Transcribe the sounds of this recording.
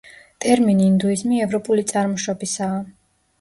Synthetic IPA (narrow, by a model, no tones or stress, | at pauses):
t̪ʼɛɾminiːnd̪uizmiɛvɾɔpʼulit̪sʼaɾmɔʃɔbisaː